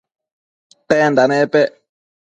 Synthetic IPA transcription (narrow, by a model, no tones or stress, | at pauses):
tɛnd̪anɛ̃pɛ